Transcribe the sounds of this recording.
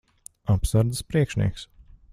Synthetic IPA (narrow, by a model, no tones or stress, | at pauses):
apsaɾd̪əspɾiɛkʃnʲḭɛks